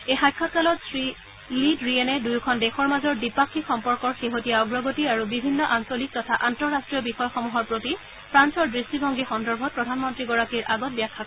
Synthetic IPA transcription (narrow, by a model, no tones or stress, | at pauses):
ejxajkʰːɔt̚kalɔtsɹi | lidɹienɛdujkʰɔndexɔɹmazɔɹdipakʰːixɔmpɔɹkɔɹxeɦotijaɔɡɹɔɡotiaɹubibʱinːɔʔansolik̚tɔtʰaʔantɔɹːastɹiɔbixɔjɔxɔmuɦɔɹpɹoti | pʰɹansɔɹdɹistibʱɔŋɡixɔndɔɹbʱɔt̚pɹɔdʱanmɔntɹiɡɔɹakiɹʔaɡɔt̚bijakʰːak